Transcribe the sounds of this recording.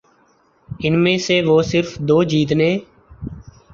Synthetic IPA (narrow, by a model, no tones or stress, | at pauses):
ɪnmẽːseːʋoːsɪɾfd̪oːd͡ʒiːt̪nẽː